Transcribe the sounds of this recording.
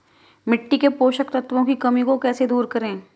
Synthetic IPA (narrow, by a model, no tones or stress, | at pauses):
mɪʈːikepoːʃəkt̪ɐt̪ʋõkikɐmikokɛːsed̪uːɾkɐɾẽː